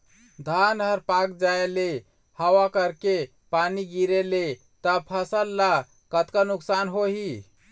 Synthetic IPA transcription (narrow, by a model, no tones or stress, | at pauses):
d̪ʱanɦəɾpakd͡ʒaele | həwakəɾke | paniɡiɾele | t̪əpʰəsəlːa | kət̪kanuksanɦoɦi